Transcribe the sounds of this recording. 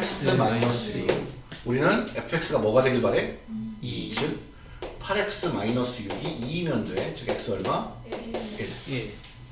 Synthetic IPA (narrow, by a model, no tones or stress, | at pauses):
ks͈ɯmainʌs͈ʰɯi | uɾinɯnepʰe̞k̚s͈ɯɡamʌɡadweɡiɭbaɾe̞id͡ʑʰɯk̚ | pʰaɾe̞k̚s͈ɯmainʌs͈ʰɯjuɡiimjʌndoe̞t͡ɕɯɡek̚s͈ɯʌɭma | ede